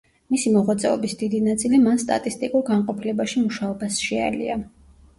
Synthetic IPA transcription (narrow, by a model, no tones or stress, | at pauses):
misimɔʁwat̪sʼɛɔbisd̪id̪inat̪sʼilimanst̪ʼa̰t̪ʼist̪ʼikʼuɾɡaɴqʼɔpʰilɛbaʃimuʃaɔbasʃɛa̰lḭa̰